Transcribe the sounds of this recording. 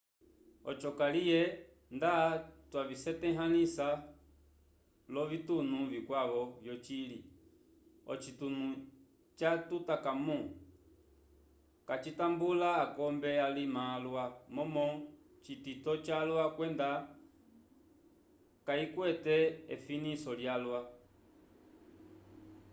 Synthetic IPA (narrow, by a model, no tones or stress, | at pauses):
ɔ̰t͡ʃɔkalijɛ | ndatwavisɛtɛɦanisa | lɔvitunuvikwaβɔvjɔt͡ʃili | ɔ̰t͡ʃitunu | t͡ʃatutakamɔ | kat͡ʃitambulaːkɔmbɛalimalwamɔmɔ | t͡ʃititɔt͡ʃalwakwɛnda | kaikwɛtɛɛfinisɔljalwa